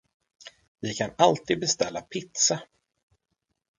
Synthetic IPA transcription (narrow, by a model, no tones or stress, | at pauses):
vɪkʰanalt̪iːd̪̚bɛst̪ɛlːapʰɪt̪sa